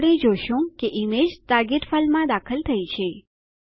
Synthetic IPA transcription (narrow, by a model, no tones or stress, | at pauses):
ɽed͡ʒoʃũkeʔimed͡ʒt̪aɾɡeʈfalmãd̪akʰəlt̪ʰəit͡ʃʰe